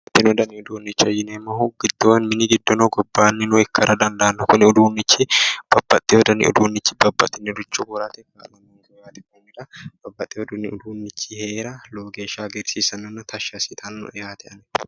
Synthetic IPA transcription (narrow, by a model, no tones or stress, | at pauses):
t̪ːɪnɔd̪ɐnɪʊd̪uːnːɪt͡ʃːɐjɪnemːɐɦuɡ̥ɪd̪̥ːowɐnmɪnɪɡɪd̪ːɔnoɡɔbːaːnːɪnʊɛkːɐɾɐd̪ɐnd̪ɐʔɐnːʊkʊnɪʊd̪uːnːɪt͡ʃːɪb̥ɐbːɐt̪ʼːɪwɔd̪ɐnɪ̰ʊ̰d̪uːnːɪt͡ʃːɪ̥bɐbːɐ̰t̪ʼːɪnːɪd̪ʊt͡ʃːʊbʊɾat̪ɛkalɐmoːŋkjaːt̪ɛkonːɪᶑ̪ɐb̥ɐbːɐt̪ʼːɛɔd̪unɪʊd̪uːnːɪt͡ʃːɪheːɾɐloːɡeːʃaːɡɪɾsiːsɐnːɐnːɐt̪ʰɐʃasɪt̪ʰɐnːʊ̰ɛjaːt̪ʰɛɐnɛ